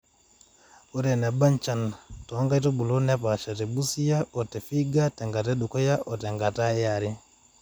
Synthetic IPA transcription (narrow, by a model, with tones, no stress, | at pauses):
o˦ɾɛ˨nɛ˨ba˦nt͡ʃa˨ntɔ˨˦ŋɡa˦i˦to˦bu˨lo˦nɛ˦pa˨ʃa˨tɛ˨bu˦si˦ja˦ɔ˨tɛ˨fi˦ɡa˦tɛ˨ŋɡa˨tɛ˦ɗu˨kɔ˦ja˦ʔɔ˨tɛ˨ŋɡa˨ta˦ɛ˦ja˨ɾi˦